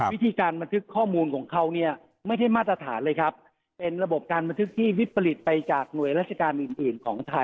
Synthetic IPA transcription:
wi˦˥t̪ʰiː˧kaː˧nba˧nt̪ʰɯ˦˥kʰːɔː˥˩muː˧nkʰɔː˩˦ŋkʰa˦˥wni˥˩ɐ | ma˥˩jda˥˩jmaː˥˩t̪ɾa˧t̪ʰaː˩˦nlɤː˧jkʰa˦˥p̚ː | e˧nɾa˧bo˨˩p̚kaː˧nba˧nt̪ʰɯ˦˥k̚t̪ʰiː˥˩wi˦˥pʰːa˧li˨˩t̪̚pa˧jt͡ɕaː˨˩k̚nu˨˩əjɾaː˥˩t̪̚t͡ɕa˧kaː˧nʔɯː˨˩nʔɯː˨˩nkʰɔː˩˦ŋt̪ʰa˧j

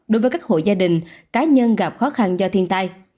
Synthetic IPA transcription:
ɗo˨˦jvəː˨˦jka˦˥k̚ho̰˧˨jzaː˧ɗï˨˩ŋ̟kaː˨˦ɲə˧nɣa˨˩p̚xɔ˨˦xa˧nzɔ˧t̪ʰi˧ənt̪a˧j

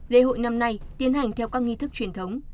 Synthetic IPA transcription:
lḛ˧ɦo̰˧˨jna˧mna˧jt̪i˨˦ənɦa˨˩jŋ̟t̪ʰɛ˧wkaː˦˥k̚ŋi˧t̪ʰɨ˦˥k̚t͡ɕwi˧˩ənt̪ʰə˨˦wŋ͡m

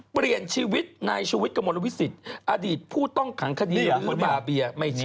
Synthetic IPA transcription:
pɾi˨˩ənt͡ɕʰiː˧wi˦˥t̪̚naː˧jt͡ɕʰuː˧wi˦˥t̪̚kʰa˧mo˧lwi˦˥si˨˩t̪̚ʔa˧diː˨˩t̪̚pʰuː˥˩t̪ɔ˥˩ŋkʰa˩˦ŋkʰa˧diː˧ja˨˧˩o˦nbaː˧˩bi˧ɐma˥˩jʰ

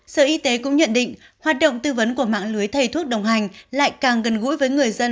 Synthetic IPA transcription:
sə̰ː˧˨ʔi˧t̪e˨˦kʊ̰˧˥ŋ͡mɲə̰˧˨nɗḭ̈˧˨ŋ̟ | hwaː˨˩t̚ɗo̰˧˨wŋ͡mt̪ɨ˧və˨˦nku˧˩əma̰ː˧˨ŋlɨ˨˦əjt̪ʰə˨˧˩jt̪ʰu˦˥ət̚ɗə˨˩wŋ͡mɦa˨˩jŋ̟la̰ː˧˨jkaː˨˩ŋɣə˨˩nɣṵ˧˥jvəː˨˦jŋɨ˨˩əjzə˧n

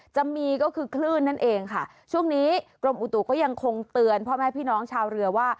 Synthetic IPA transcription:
t͡ɕa˧mːiː˧kɔː˥˩kʰɯː˧kʰlɯː˥˩nːa˥˩nʔeː˧ŋkʰa˥˩ | t͡ɕʰu˥˩əŋniː˦˥kɾo˧mʔu˨˩t̪u˨˩kɔː˥˩ja˧ŋkʰo˧ŋt̪ɯ˧ənpʰɔː˥˩mɛː˥˩pʰiː˥˩nɔː˦˥ŋt͡ɕʰaː˧wɾɯ˧ɐwaː˥˩

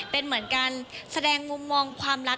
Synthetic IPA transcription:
pe˧nmɯ˩˦ənkaː˧nsa˧dɛː˧ŋːu˧mːɔː˧ŋkʰwaː˧mɾa˦˥

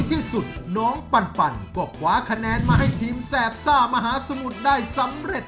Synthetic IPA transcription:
t̪ʰiː˥˩su˨˩t̪̚nɔː˦˥ŋpa˧npa˧nkɔː˨˧˩kʰwaː˨˦kʰa˧nɛː˨˦˥nmaː˧˩ɦa˥˩jt̪ʰiː˦˥msɛː˨˩t̪̚saː˥˩ma˧ɦaː˨˦sa˧mu˨˩t̪̚daː˥˩jsa˨˦mɾe˨˩t̪̚

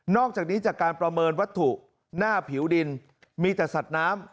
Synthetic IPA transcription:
nɔː˥˩k̚t͡ɕaː˨˩k̚niː˦˥t͡ɕaː˨˩kːaː˧npɾa˧mɤː˧nwa˦˥t̪ʰːu˨˩ | naː˥˩pʰi˩˦wdi˧n | miː˧t̪ɛː˨˩sa˨˩t̪̚naː˦˥m

